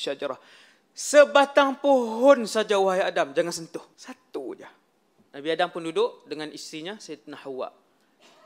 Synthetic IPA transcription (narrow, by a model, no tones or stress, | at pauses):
ʃad͡ʒaɾah | səbat̪aŋpoɦɔnsad͡ʒawaɦajadamd͡ʒaŋansənt̪ʊhsat̪ṵd͡ʒa | nabiadampʊndudʊʔdəŋanisiɲasajat̪ənahawa̰ʔ